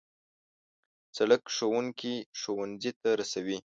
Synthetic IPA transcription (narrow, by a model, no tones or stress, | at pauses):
t͡saləkʂowuŋkiʃowanzit̪aɾasawi